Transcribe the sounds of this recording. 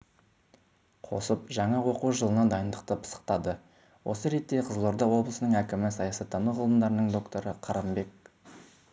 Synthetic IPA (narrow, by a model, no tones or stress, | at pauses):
qʰo̞̰səpʒɑɴɑwo̞quʒəlˠənɑnd̪ɑjənd̪əq̚t̪əpʰə̥sə̥q̚t̪ɑd̪ə | wʔo̞̰səɾe̞t̪ːe̞qʰəzəlˠo̞ɾd̪ɑwo̞blˠəsənəɴŋækʲɪmɪsɑjɑsɑt̪ʰːɑnuʁəlˠəmd̪ɑɾənəɴd̪o̞kt̪o̞ɾəqʰɑɾəmbe̞k̚